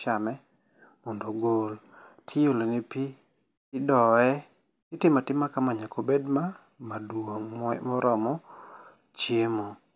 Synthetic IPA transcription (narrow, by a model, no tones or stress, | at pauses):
amɛ | mɔndoɡoltʰɪjolonipi | ɪdɔɛ | ɪtɪmatɪmːakamaɲakʰobedma | madwomɔmɔɾɔmɔ | t͡ʃjemo